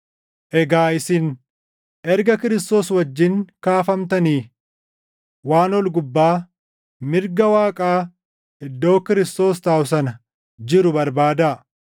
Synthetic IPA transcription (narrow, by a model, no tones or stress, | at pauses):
ʔɛɡaːʔɪsɪn | ʔɛɾɡɐkɪɾɪst̪o̞ːswɐd͡ʒːɪŋkaːfɐmt̪ɐniː | waːnwɔlɡʊbːaː | mɪɾɡɐwaːkʼaː | ʔɪd̪ːo̞ːkɪɾɪst̪o̞ːst̪aːwʊs̬ɐnɐ | d͡ʒɪɾʊbɐɾbaːd̪a